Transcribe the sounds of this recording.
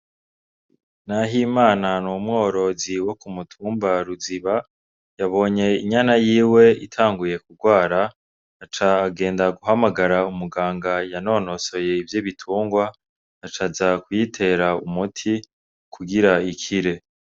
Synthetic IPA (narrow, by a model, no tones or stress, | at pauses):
naɦimaːnanumŋo̞ːɾo̞ziwo̞kumutʰuːmbaɾuziβa | jaβo̞ːɲe̞iɲanajiːwe̞itʰaːŋɡuje̞kuɡwaːɾa | at͡ʃaːɡe̞ːndaɡuɦamaɡaɾaumuɡaːŋɡajano̞ːno̞so̞je̞ivjoβitʰuːŋɡwaː | t͡ʃazakwitʰe̞ɾaumutʰi | kʰuɡiɾaikʰiɾe̞